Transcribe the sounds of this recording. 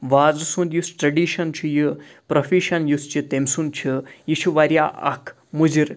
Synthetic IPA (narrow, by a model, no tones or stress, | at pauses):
ʋaːzusund̪jusʈɾɐɖiːʃɐnt͡ʃʰijipɾofiʃɐnjust͡ʃit̪emʲsunt͡ʃʰijiʃʰuʋaɾjaʔɐ̰kʰ | mud͡ʑiɾ